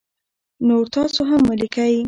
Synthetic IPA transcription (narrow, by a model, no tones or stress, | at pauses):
noɾt̪ɑsoɦamːəlikaj